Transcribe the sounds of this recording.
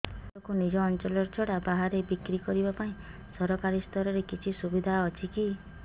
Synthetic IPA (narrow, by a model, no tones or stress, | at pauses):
t̪ɔkunid͡ʒɔːnt͡ʃɔlɔɾt͡ʃʰɔɽabaɦaɾebikɾikɔɾibapaĩ | sɔɾɔkaɾist̪ʰɔɾɔɾekit͡ʃʰisubid̪ʱaɔt͡ʃʰiki